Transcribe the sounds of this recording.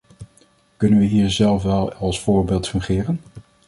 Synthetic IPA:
kɵnənʋəɦiːɹzɛlˠfʋɛlˠɑlˠsfʊːɹbɪːlˠtfɵŋχɪːrən

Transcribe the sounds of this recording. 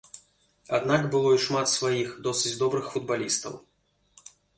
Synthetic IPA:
a̰d̪nakbɨlˠɔiʂmat̪svajixd̪ɔsɨd͡zʲd̪ɔbɾɨxfud̪̚balʲist̪ɐ̰w

